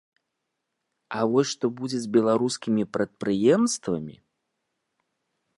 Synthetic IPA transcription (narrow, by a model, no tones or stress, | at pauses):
ɐvɔsʲʂt̪ɔbud͡zʲɛd͡zʲbʲɛlˠaɾuskʲimʲipɾɐt̪̚pɾɨjɛmst̪vɐ̰mʲḭ